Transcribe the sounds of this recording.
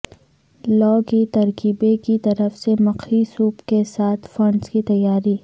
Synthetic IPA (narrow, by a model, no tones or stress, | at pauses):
lɔːkit̪ɐɾkiːbekit̪ɐɾəfsemɐqisuːpkesaːt̪ʰfɐ̃ɳɖskit̪ɐjːaːɾi